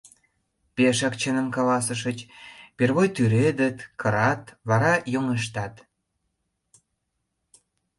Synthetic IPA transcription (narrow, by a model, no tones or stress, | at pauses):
peʃɑkt͡ɕənəmkɑlɑsəʃ̬ət͡ɕperβojt̪yɾed̪ə̆t̪kʰəɾɑt̪βɑɾɑjoŋeʃ̬t̪ɑt̪